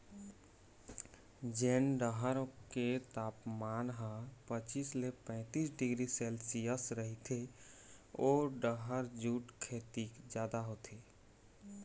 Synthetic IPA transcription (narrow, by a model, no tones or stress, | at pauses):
d͡ʒeːnɖəɦəɾket̪aːpmaːnɦə̃pət͡ʃiːslepɛ̃ːt̪iːsɖɪɡɾisɛːlsijəsɾəɦit̪ʰe | ɔːɾɖəɦəɾd͡ʒuːʈkʰeːt̪ikd͡ʒjaːd̪aɦot̪ʰeː